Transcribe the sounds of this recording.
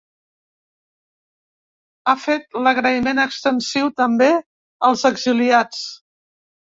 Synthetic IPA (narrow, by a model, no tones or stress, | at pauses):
afet̪ləɣɾəimenəkst̪ənsiwt̪əmbe | əlˠzəɡziliat͡s